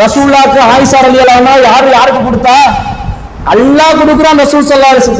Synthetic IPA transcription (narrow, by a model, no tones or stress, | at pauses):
ɾɐsuːlaːkːɐaːjɪsaːɾɐlɪjɐlaːnaːjaːɾɯ̃jaːɾɯkːɯkɔɽɯt̪ːaː | ɐ̰lːãːkɔɽɯk̬ːɯɾõːmɾɐsuːlsɐlːaːɐlesɐ